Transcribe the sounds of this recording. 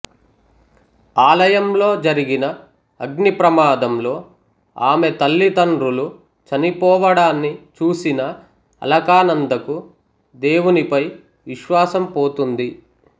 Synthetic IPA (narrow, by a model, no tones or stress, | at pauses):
aːlɐjɐmlo̞ːd͡ʒɐɾiɡinɐ | ɐɡnipɾɐmaːd̪ɐmlo̞ː | aːmet̪ɐlːit̪ɐɳɖɾulu | t͡ʃɐnipɔːʋɐɽaːnːit͡ʃuːsinɐ | ɐ̰lɐkaːnɐnd̪ɐku | d̪e̞ːwunipɐj | ʋiʃʋaːsɐmpoːt̪und̪i